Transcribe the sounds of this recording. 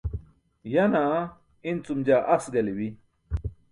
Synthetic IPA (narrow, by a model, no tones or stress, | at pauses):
jɐna | int͡sumd͡ʑaːʔɐsɡɐliwi